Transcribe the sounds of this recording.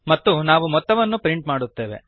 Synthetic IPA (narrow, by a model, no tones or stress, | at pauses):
mɐt̪ːunaːʋumɔt̪ːɐʋɐnːupɾiɳʈmaːɽut̪ːe̞ːʋḛ